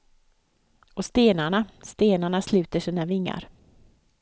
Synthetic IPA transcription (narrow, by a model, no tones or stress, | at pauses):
ɔst̪eːnaɳast̪eːnaɳaslʉ̟ːt̪əʂiːnavɪŋːa̰ɾ